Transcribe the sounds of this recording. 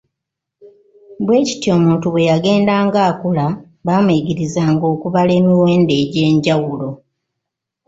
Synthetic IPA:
bwe̞ːci̥tio̞ːmuːntuβwe̞jaɡe̞ːndaːŋɡaːkula | βaːmweɟiɾizaːŋɡo̞ːkuβale̞ːmiwe̞ːnde̞ːɟe̞ːɲɟawulo̞

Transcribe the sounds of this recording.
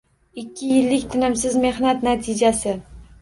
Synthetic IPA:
ɪkʲʰːɪjɪlːɪkʲt̪ʰɪnɪmsɪzme̞hnat̪nat̪ʰɪd͡ʒasɪ

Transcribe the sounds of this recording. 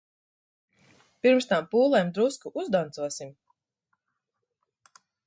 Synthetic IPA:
piɾmst̪ampuːlˠɛjmd̪ɾuskuʔuzd̪ant̪suɔsim

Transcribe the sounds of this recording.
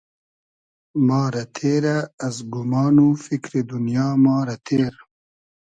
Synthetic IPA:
mɑːɾɐt̪ʰeːɾaːzɡumɑːnufikɾid̪unjɑːmɑːɾɐt̪ʰeːɾ

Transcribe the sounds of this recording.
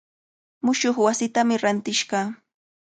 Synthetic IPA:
mʊʃoχwasɪt̪amɪɾant̪ɪʃɢɑː

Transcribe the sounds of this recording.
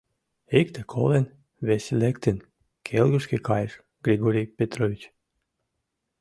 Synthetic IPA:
ekt̪ekʰɔ̰len | vesʲilʲekt̪en | kʲʰelˠɡuskʲikajʃ | ɡ̥ɾiɡɔɾʲijpʲet̪ɾɔvʲit͡ɕ

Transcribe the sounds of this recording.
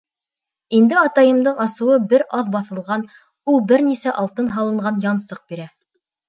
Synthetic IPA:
ind̪ɘɑt̪ɑjɤ̆md̪ɤɴɑsɤ̆wɤbɘɾɑðbɑθɤ̆lˠʁɑn | ulˠbɘɾnisæʔɑlˠt̪ɤnɦɑlˠɤ̆ɴɢɑnjɑnsɤq̚biɾæ

